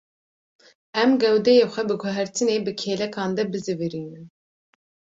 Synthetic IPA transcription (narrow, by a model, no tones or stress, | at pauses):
ɛmɡɛwd̪ɛjeːxʷɛbɨɡɔɦæɾt̪ʰɨneːbɨkʰeːlɛkʰɑːnd̪ɛbɨzɨvɨɾiːnɨn